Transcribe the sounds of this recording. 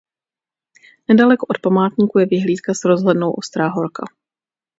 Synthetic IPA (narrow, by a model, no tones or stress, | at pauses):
nɛdalɛkoʔot̪̚pamaːt̪ɲiːkujɛvɪɦliːt̪kasɾo̞zɦlɛdnowʔo̞st̪ɾaːɦo̞ɾka̰